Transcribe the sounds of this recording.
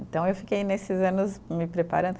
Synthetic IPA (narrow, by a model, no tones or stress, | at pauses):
nt̪ɐ̃w̃ewfi̥kejnesɪzɐ̃nʊzmɪpɾepa̰ɾɐ̃d̪ʊ